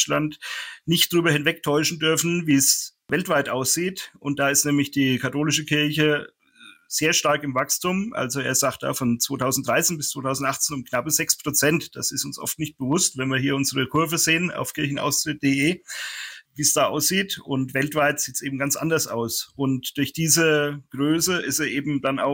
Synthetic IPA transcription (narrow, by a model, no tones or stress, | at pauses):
lantnɪçtd̥ʁyːbɐhɪnvɛk̚tʰɔʏʃn̩dʏɐfn̩viːsvɛltv̥aɪtʔaʊsz̥iːtʔʊnt̚d̥aːɪstnɛːmlɪçd̥iːkʰatoːlɪʃəkʰɪɐçə | z̥eːɐʃtaɐkɪmvakstʰʊmʔa̰lzoḛːɐzaːkt̚d̥a̰ːfɔnt͡sv̥oːtʰaʊzn̩t̚d̥ʁaɪt͡seːnbɪst͡sv̥oːtʰaʊzn̩tʔaχt͡seːnʊmknapəzɛkspʁ̥ot͡sɛntd̥a̰sɪstʊnsʔɔ̰ftnɪçt̚b̥əvʊstvɛnviːɐɦiːɐʊnzəʁəkʰʊɐvəzeːəna̰ʊfkʰɪɐçn̩ʔa̰ʊstʁ̥ɪt̚d̥eːʔeː | viːsd̥aːʔa̰ʊsz̥iːtʊntv̥ɛltv̥aɪtz̥iːtsʔeːbm̩ɡant͡sʔa̰ndɐsa̰ʊsʔʊntd̥ʊɐçd̥iːzəɡ̥ʁøːsəɪsteːɐʔeːbm̩d̥ana̰ʊ